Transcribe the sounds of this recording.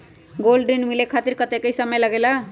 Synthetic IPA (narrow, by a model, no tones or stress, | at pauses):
ɡolɖinmilekʰat̪iɾkʌt̪ekəjsʌməjlʌɡelʌ